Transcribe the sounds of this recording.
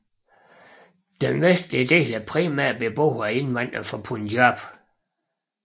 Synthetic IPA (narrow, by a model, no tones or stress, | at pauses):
d̥enʋesd̥liəd̥e̝̰ːlæpʰʁimæɐ̰beb̥o̰ːʊæe̝nʋɑn̰d̥ɐfɒpʰundjɑb̥